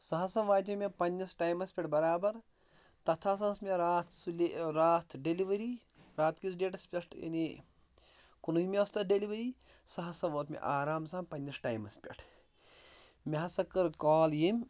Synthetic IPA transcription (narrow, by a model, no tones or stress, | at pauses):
sɐɦɐsɐmʋaːt̪̬ʲemʲepɐnʲːɐsʈaːjmɐspʲeʈʰbɐɾaːbɐɾ | t̪ɐt̪ʰaːsɐsmeɾaːt̪ʰsleɾaːt̪ʰɖeliʋɐɾi | ɾaːt̪kisɖeːʈɐspʲɐʂʈɐ̰ni | kunuimeɐst̪ɐɖeliʋɐɾiː | sɐɦɐsɐ̃ʋoːt̪mʲḛʔaːɾaːmsaːmpɐnʲːɐsʈaːjmɐspʲɐ̰ʈʰ | mɐɦɐsɐkːɐɾkaːljimʲ